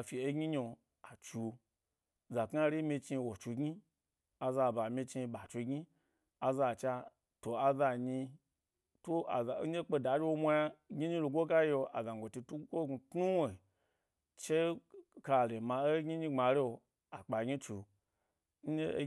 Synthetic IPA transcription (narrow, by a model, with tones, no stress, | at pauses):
a˧fi˨e˦ɡʲi˦ɲo˧ | a˨t͡ʃu˧ | za˨kŋa˦ɾi˦mʲi˧t͡ʃi˧wo˨t͡ʃu˧ɡi˦ | a˧za˧˨ba˨mʲi˧t͡ʃi˧bɓa˨t͡ʃu˧ɡɲi˦ | a˧za˧˨t͡ʃa˧ | to˨a˧za˧ɲi˧ | to˦a̰˨za˨˦ɲe˦k͡pe˧da˨˦d͡ʒe˦wo˦mʷa˧ja˦ɡʲi˦ɲi˦lo˧ɡʷo˦ka˦jo˧ʔa˨za˨ɡʷo˨ti˧tu˦kʷo˦˧tnu˦we˨ | t͡ʃe˦ka˧˨le˨ma˧e˦ɡʲi˦ɲi˧ŋ͡ma˨ɾe˦o˧ | a˨k͡pa˨ɡʲi˦t͡ʃu˨˧ | n̩˦ɲe˦